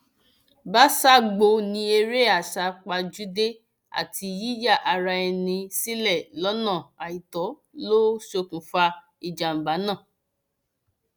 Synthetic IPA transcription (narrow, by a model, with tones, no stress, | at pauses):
ba˦sa˦ɡ͡bo˧nĩ˧˦e˧ɾe˦a˨ʃa˧k͡pa˧d͡ʒu˨˦de˦ | a̰˦˨tʰi˧ji˦ja˦˨ʔa˧ɾa˧ɛ˧nĩ˧si˦lɛ˦˨lɔ˨˦nã˦˨a˨i˨tɔ˨˦lo˦ʃo˧kũ˨fa˧ | i˨d͡ʒa˨m̩˨ba˨˦nã˦˨